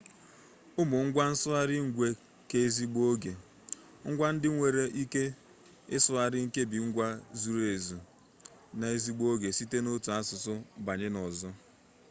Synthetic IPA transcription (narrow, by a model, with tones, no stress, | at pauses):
ʊ˦mʊ˨ŋ̩˦ɡʷa˦n̩˦sʊ˦a˦ɾɪ˦ŋ̩˨ɡʷe˨ | ke˦e˦zi˦ɡ͡bo˦ɡe˨ | ŋ̩˦ɡʷa˦n̩˦dɪ˦ŋʷe˨ɾe˨ʔi˦ke˦ | ɪ˦sʊ˦a˨ɾɪ˦ŋ̩˦ke˦bi˨ŋ̩˦ɡʷa˦zu˨ɾe˨zu˨ | na˨e˦zi˦ɡ͡bo˦ɡe˨si˦te˦no˦tu˨a˦sʊ˨sʊ˦ba˨ɲɪ˦nɔ˨zɔ˦